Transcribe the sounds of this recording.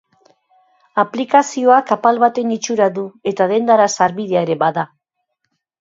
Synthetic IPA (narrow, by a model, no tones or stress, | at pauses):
aplikasio̞akapalβat̪e̞nit͡ʃuɾaðue̞t̪aðe̞nd̪aɾasaɾβið̞e̞aeɾe̞βaða